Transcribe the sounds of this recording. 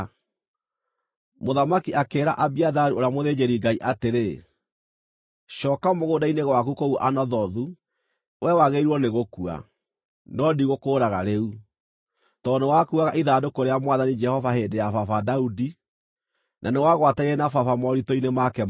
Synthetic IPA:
moðamakiakeːɾa̰ʔabiaðaɾuʔoɾjamoðed͡ʒeɾiŋɡaiʔateɾe | ʃɔːkamoɣoːdaineɣwakukoɣuʔanɔðɔðu | wʔɛwaɣeiɾwɔneɣokua̰ | nɔdiɣokoːɾaɣaɾeu | tɔːnowakuaɣaʔiðadokoɾeamwaðanid͡ʒɛhɔvaheːdejafafadaudi | nʔanewaɣwataɾiɛnafafamɔɾitɔinemakɛ

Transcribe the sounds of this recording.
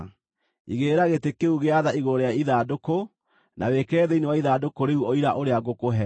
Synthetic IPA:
ḭɣeːɾaɣetekeuɣeaðaiɣoɾeaiðaːdoko | nʔa̰wekɛɾɛðɛinewaiðaːdokoɾeuɔiɾaʔoɾeaɡokoɦɛ

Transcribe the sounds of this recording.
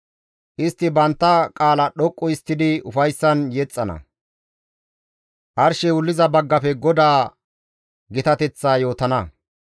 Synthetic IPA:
ʔɪst̪ːɪbɐnt̪ːɐkʼaːlɐɗɔkʼːɔɪst̪ːɪd̪ɪʊfɐjsːɐnjɛt͡sʼːɐnɐ̰ | ʔɐɾʃɛwʊlːɪzɐbɐɡːɐpɛɡɔd̪aː | ɡɪt̪ɐt̪ɛt͡sːaːjo̞ːt̪ɐnɐ

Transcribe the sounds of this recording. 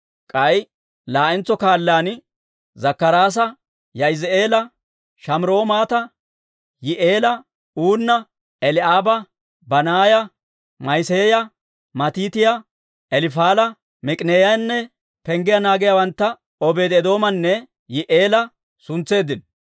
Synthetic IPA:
kʼɐj | laːʔɪnt͡sːɔkaːlːaːn | zɐkːɐɾaːs̬ɐ | jɐɪze̞ːlɐ | ʃɐmɾo̞ːmaːt̪ɐ | jɪʔeːlɐ | uːnːɐ | ɛlɪaːbɐ | bɐnaːjɐ | mɐjseːjɐ | mɐt̪iːt̪ɪjɐ | ɛlɪfaːlɐ | mɪkʼneːjɐjnːɛ | pɛŋɡɪjɐnaːɡɪjɐwɐnt̪ːɐ | ɔbe̞ːd̪ɛd̪o̞ːmɐnːɛ | jɪʔe̞ːlɐ | sʊnt͡sːe̞ːd̪ɪn

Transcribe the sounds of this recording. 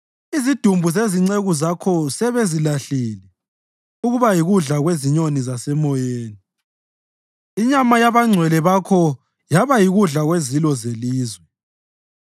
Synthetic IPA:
izid̥ʱumbʱuzeziŋ͡ǀeɣuzakʰɔsɛβezilaɬilɛ | uɣuβajiɣuɮaɣweziɲonizasɛmɔjeːni | iɲamajaβaŋ͡ǀʱwɛlɛβakʰɔ | jaβajiɣuɮaɣwezilɔzeliːzwɛ

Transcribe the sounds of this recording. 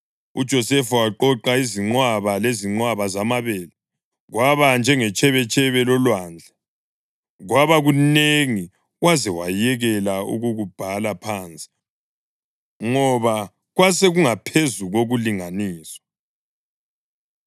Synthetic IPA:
ud̥ʒ̥ʱɔsɛfawaǃɔǃaiziŋ͡ǃwaβaleziŋ͡ǃwaβazamaβɛːla | ɣwaβand͡ʒʱɛŋɛt͡ʃʼɛβɛt͡ʃʼɛβɛlɔlwaːnd͡ɮʱa | ɣwaβaɣuneŋi | ɣwazɛwajɛɣɛlaṵɣuɣub̥ʱalapʰaːnt͡sʼi̥ | ŋɔβa | ɣwaseɣuŋapʰezuɣoɣuliŋaniːsɔ̥

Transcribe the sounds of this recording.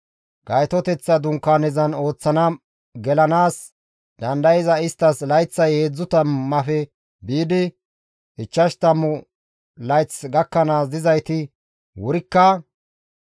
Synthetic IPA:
ɡ̥ɐjt̪ɔt̪ɛt͡sːɐd̪ʊŋkːaːnɛzɐno̞ːt͡sːɐnɐ | ɡɛlɐnaːs | d̪ɐnd̪ɐjɛzɐɪst̪ːɐslɐjt͡sːɐjeːd͡zːʊt̪ɐmːɐfɛ | biːd̪ɪ | ɪt͡ʃːɐʃt̪ɐmːʊ | lɐjt͡sɡɐkːɐnaːzd̪ɪzɐjt̪ɪ | wʊɾɪkːɐ

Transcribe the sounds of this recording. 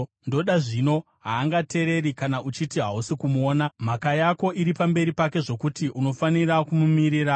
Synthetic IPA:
ndo̞ɗaʐino̞ | ɦaːŋɡate̞ɾe̞rikanaut͡ʃitiɦausikumuoːnam̤akajako̞ʔiɾipambe̞ɾipake̞ʐo̞kutiʔuno̞fanirakumumiɾiːra

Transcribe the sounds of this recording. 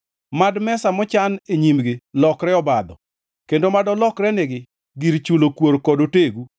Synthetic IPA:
madmɛsamɔt͡ʃaneɲimɡɪlɔkɾɛɔbad̪ɔ̰ | kendomadɔlɔkɾɛneɡɪ | ɡiɾt͡ʃulokwoɾkɔdoteɡu

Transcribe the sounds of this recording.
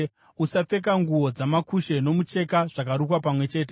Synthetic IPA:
usap͡fe̞k̬aŋɡuo̞d͡zamakuʃe̞no̞mut͡ʃe̞kaʐ̥ak̬aɾukwapamwe̞t͡ʃe̞ːt̬e

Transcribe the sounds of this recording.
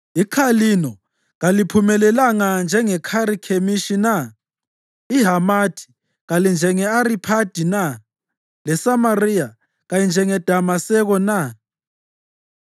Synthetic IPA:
ikʰalinɔ | ɣalipʰumɛlɛlaŋand͡ʒʱɛŋɛkʰaɾikʰemiʃina | iɦamatʰi̥ | ɣalind͡ʒʱɛŋɛaɾipʰad̥ʱina | lɛsamarija | ɣajind͡ʒʱɛŋɛd̥ʱamasɛɣɔna

